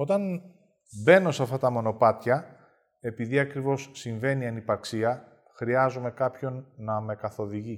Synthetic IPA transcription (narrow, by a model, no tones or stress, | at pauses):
o̞t̪ɐn | be̞no̞sɐft̪ɐt̪ɐmo̞no̞pɐt̪çɐ | e̞piðiɐkɾivo̞sːiɱve̞niɐnipɐksiɐ | xɾiɐzume̞kɐpço̞nːɐme̞kɐθo̞ðiʝi